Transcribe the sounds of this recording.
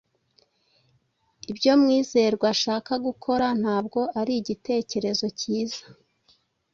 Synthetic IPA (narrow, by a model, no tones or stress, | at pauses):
ibɟo̞mŋiːze̞ɾɡwaʃaːkaɡukʰo̞ɾan̥haːb̚ɡo̞ʔaɾiɟite̞ːce̞ɾe̞zo̞ciːzḁ